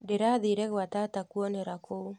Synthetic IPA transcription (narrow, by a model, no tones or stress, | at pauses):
deɾaðiɾɛɣwatatakuɔneɾakʰou